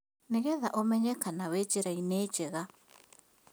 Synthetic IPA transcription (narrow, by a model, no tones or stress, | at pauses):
neɣɛðaʔomɛɲɛkanawet͡ʃeɾaineːt͡ʃɛɣa